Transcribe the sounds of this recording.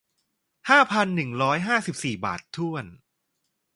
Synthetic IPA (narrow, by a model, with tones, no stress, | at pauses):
haː˥˩pʰa˧nːɯ˨˩ŋɾɔː˦˥jɦaː˥˩si˨˩p̚siː˨˩ba̰ː˨˩t̪ʰːu˥˩ən